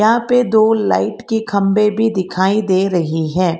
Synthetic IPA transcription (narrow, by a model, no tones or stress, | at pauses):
ɦãped̪oːla̰ːɪʈkikʰɐ̃mbebʱid̪ɪkʰaːid̪eːɾɐɦiɦɛ̃ː